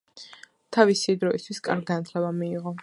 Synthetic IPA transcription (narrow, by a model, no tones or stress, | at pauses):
t̪ʰavisid̪ɾɔist̪ʰwiskʼa̰ɾɡɡanat̪ʰlɛbamiːʁɔ